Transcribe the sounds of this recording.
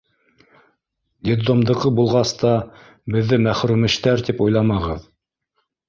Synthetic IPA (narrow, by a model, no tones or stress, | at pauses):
d̪ʲed̪omd̪ɤ̆ʁɤbulˠʁɑst̪ɑ | bɘ̆ðːɘmæχɾʉmɘ̆ʃt̪æɾt̪ipujlˠɑmɑʁɤð